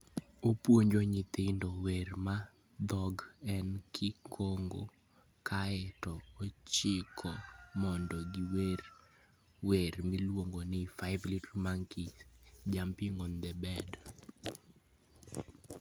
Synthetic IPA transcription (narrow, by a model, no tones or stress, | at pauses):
opwoɲd͡ʒɔɲit̪ɪndowerma | d̪ɔɡɛnkʰɪkʰoŋɡo̰ | kʰaɛtɔot͡ʃɪkʰɔmɔndɔɡiwer | weɾmilwoŋɡonɪfaɪvlitmaŋkid͡ʒampiŋond̪ɛbɛd